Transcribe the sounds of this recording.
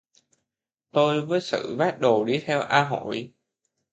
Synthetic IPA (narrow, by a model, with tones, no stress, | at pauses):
t̪o˧jvəː˨˦jsɨ̰˧˩˨vaː˦˥t̚ɗo˨˩ɗi˧t̪ʰɛ˧wʔaː˧ɦo˧˩˦j